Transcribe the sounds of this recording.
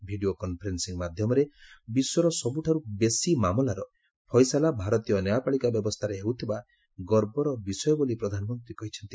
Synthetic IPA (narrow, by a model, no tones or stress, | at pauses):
bʱiɖiokɔnpʰɔɾensiŋmad̪ʱjɔmɔɾebiswɔɾɔsɔbuʈʰaɾubesimamɔlaɾɔ | pʰɔjsalabʱaɾɔt̪ijɔnɔjapaɭikabjɔbɔst̪ʰaɾeɦewt̪ʰiba | ɡɔɾbɔɾɔbisɔjɔbolipɾɔd̪ʱanɔmɔnt̪ɾikɔɦit͡ʃʰɔnt̪i